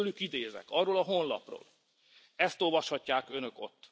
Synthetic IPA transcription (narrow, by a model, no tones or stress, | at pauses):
ølykid̪eːzɛ̰kɒrːoːlɒɦonlɒ̰pro̰ːl | ɛst̪olvɒʃhɒcːaːkø̞nø̞ko̞̰t̪ː